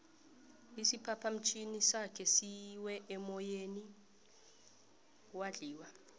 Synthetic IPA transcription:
isipʰapʰam̩t͡ʃʰinisakʰɛsiwɛʔɛmɔjeni | waɮiːwa

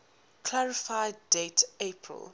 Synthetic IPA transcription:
kʰlaɹɪfaɪddetepʰɹə̰l

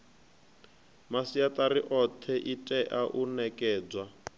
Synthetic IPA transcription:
masiat̪ʼaɾiʔɔt̪ʰɛʔitʼɛʔaʔunɛkʼɛːd͡zwa

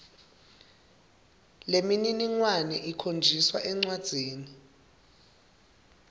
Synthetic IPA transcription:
lemininiŋwanɛʔikʰond͡ʒʱiswaʔɛŋ͡ǀwad̥z̥ʱeːni

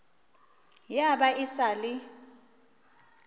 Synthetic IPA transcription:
jaɓaʔisaːli

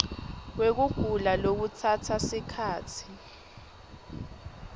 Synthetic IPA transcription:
k̬wek̬uɡ̥ʱulalok̬utʰatʰasikʰaːtʰi̥

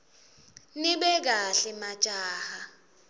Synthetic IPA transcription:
niɓɛk̬aɬɛmḁt͡ʃʼaːha

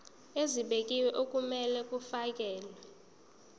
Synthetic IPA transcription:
eziɓekʼiwɛʔok̬ʼumɛlɛk̬ʼufak̬ʼɛːlwɛ

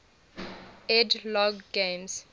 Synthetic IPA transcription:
ɛdlɔɡːẽms

